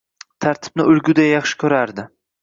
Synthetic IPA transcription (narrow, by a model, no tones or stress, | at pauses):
t̪ʰaɾt̪ʰɪ̥b̥̚nɪʊlɡʲʊd̪ajɑχʃɪ̥kʲʰɵɾaɾd̪ɪ